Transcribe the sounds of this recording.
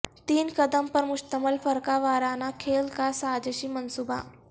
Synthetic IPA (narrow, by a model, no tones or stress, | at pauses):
t̪iːnkɐd̪əmpɐɾmʊʃt̪əməlfəɾkaʋaːɾaːnakʰeːlkasaːd͡ʒəʃimɐnsuːba̰